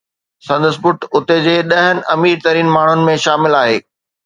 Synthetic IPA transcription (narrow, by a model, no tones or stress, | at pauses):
sɐ̃nd̪əsbʊʈʊt̪ed͡ʑeːɗɐɦənɪ̆ʔɐmiːɾt̪ɐɾiːnmaːɳ̤ʊnɪ̆mẽʃaːmɪlaːɦeː